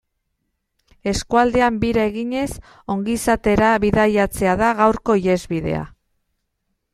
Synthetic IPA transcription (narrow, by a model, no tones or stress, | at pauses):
e̞skuald̪e̞ambiɾaeɣiɲe̞s | o̞ŋɡisat̪e̞ɾaβiðajat͡se̞aðaɣawɾko̞ije̞zβiðe̞̰a̰